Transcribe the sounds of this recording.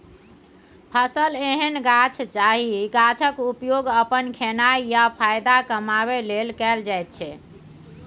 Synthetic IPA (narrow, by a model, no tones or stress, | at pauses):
pʰəsəleɦənɡat͡ʃʰt͡ʃaɦiɡat͡ʃʰəkupjoɡəpənkʰenaijapʰajd̪akəmaβelelkɛld͡ʒajt̪̚t͡ʃʰɛ